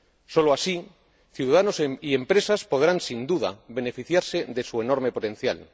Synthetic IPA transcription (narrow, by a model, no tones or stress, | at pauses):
so̞loasi | θjuðaðano̞seie̞mpɾe̞saspo̞ð̞ɾansind̪uða̰βe̞ne̞fiθjaɾse̞ðesue̞no̞ɾme̞po̞t̪ẽ̞n̟θja̰l